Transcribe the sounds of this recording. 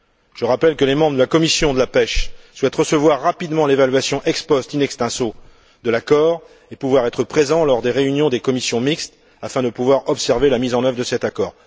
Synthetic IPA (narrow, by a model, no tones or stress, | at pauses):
ʒ̥əʁapɛlkəlemɑ̃bʁəd̪əlakɔmisjɔ̃d̪əlapɛʃswɛt̪ʁəsəvwaʁːapid̪mɑ̃levalɥasjɔ̃ʔɛkspɔst̪inɛkst̪ɛ̃so | d̪əlakɔːʁ | epuvwaʁɛt̪χəpχezɑ̃lɔʁd̪eʁeynjɔ̃d̪ekɔmisjɔ̃mikst̪ | afɛ̃d̪əpuvwaʁɔpsɛʁvelamizɑ̃nœvʁd̪əsɛt̪akɔːʁ